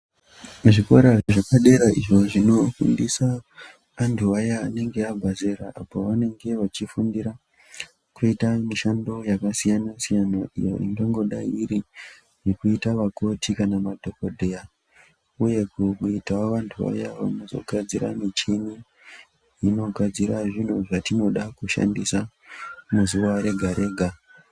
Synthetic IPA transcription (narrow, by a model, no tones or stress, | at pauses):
ʐiko̞ɾaʐakaɗe̞ɾaiʐo̞ʐino̞fṵndisa | antʰuʋajaːne̞ŋɡe̞abʱazeɾaʔapoʋane̞ŋɡe̞ʋat͡ʃifundiɾa | kuitamiʃando̞jakasijanasijanaʔḭjo̰ʔḭŋɡeŋɡo̞ɗa̰iɾi | nekuitaʋako̞tikanamadʱo̞kodʱeja | uje̞kuitaʋantʰuʋa̰jaʋamuzo̞̰ɡʱad͡ziɾa̰mit͡ʃini | ino̞ɡʱad͡ziɾaʐin̤uʐatino̞ɗakuʃa̰ndisa | muzuwaɾe̞ɡʱaɾe̞ːɡʱa